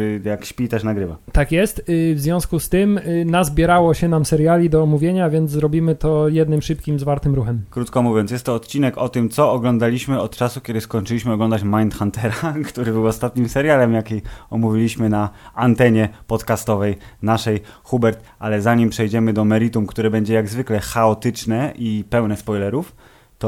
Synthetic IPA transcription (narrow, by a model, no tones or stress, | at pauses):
ɾɘjakɕpʲit̪ɛʂnaɡɾɘvat̪akjɛst̪vzvʲjɔ̃w̃skust̪ɘmnazbʲjɛɾawɔɕɛnamsɛɾjalʲid̪ɔːmuvʲjeɲavʲjɛnt̪zzɾɔbʲimɘt̪ɔjɛd̪nɘmʂɘp̚kʲimzvaɾt̪ɘmɾuxɛmkɾut̪kɔmuvʲjɔns̬ʲjɛst̪ːɔːt̪t͡ɕinɛkɔt̪ɘmt̪sɔɔɡlɔnd̪alʲiɕmɘɔt̪t͡ʂasukʲɛd̪ɘskɔɲt͡ʂɘiɕmɘɔɡlɔnd̪at͡ɕmajnt̪xant̪ɛɾakt̪uɾɘbɘwɔst̪at̪ɲimsɛɾjalɛmjakʲejɔmuvʲilʲiɕmɘnaant̪ɛɲɛpɔt̪kast̪ɔvɛjnaʂɛjxubɛɾt̪alɛzaɲimpʂɛjd͡ʑɛmɘd̪ɔmɛɾit̪umkt̪uɾɛbɛɲd͡ʑɛjaɡzvɘklɛxaɔt̪ɘt͡ʂnɛʔipɛwnɛspɔjlɛɾuf | t̪ɔ